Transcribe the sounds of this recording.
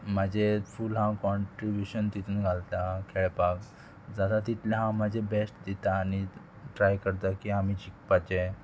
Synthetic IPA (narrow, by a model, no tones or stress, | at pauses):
mad͡ʑefulɦãkɔɳʈɾibjuɕənt̪it̪ʰuːnɡʱalt̪akʰeɭpak | d͡zad̪at̪it̪laɦãmad͡ʑʱebesʈd̪it̪aːni | ʈɾajkəɾt̪akiam̤id͡ʑik̚pat͡ɕe